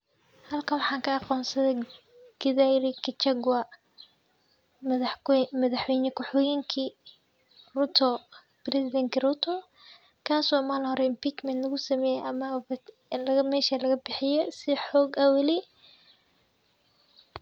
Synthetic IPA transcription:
hɐlkʰɐwɑħɑːŋkʰɐɑqɔːnsɐðɛ | ɡ̥ɪðajɾɪkʰɪt͡ʃɐɡwɐ | mɐðɑħwɛjnɐkʰɔħɔːjɪŋkʰi | rʊt̪ʰɔ | b̥rɛsɪd̪ɛŋkɪrʊt̪ʰɔ | kʰaːswɑːmaːlhɔɾɛɪmpiːt͡ʃmɛnt̪lɐɣʊsɐmɛːjɛʔɐmɐ | lɐɐmɛːʃɐlɐɣɐbɪħɪjɛsɪħɔːɡɐwɐlɪ

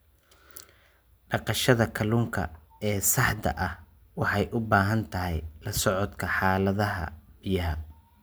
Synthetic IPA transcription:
ɖɑqɑʃɐðɐkʰɐlʊːŋkʰɐ̰ | ɛːsɑħd̪ɐ̰ʔɐh | wɑħɑjʔʊbaːɦɐnt̪ʰɐɦɛjlɐsɔʕɔt̪kʰɐħɑːlɐðɐɦɐ̰b̥ɪjɐɦɐ

